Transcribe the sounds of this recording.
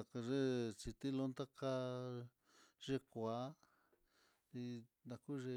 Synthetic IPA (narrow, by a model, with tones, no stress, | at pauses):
a˨˧ka˧ʐe˦t͡ʃi˧t̪i˦lo˧˦nt̪a˦ka˦˧ | ʐ̥e˧kʷa˨˧˦ | i˧nã˧ku˦ʐe˧